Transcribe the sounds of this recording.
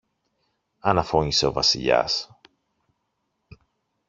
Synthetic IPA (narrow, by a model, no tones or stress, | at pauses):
ɐnɐfo̞ɲise̞ovɐsḭʎɐ̰s